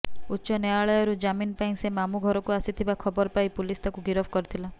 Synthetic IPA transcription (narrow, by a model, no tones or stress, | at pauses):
utːʃɔnaaɭɔjɔɾud͡ʒaminpaĩsemamuɡʱɔɾɔkuasit̪ʰibakʰɔbɔɾpajpulist̪ʰakuɡiɾɔbkɔɾit̪ʰila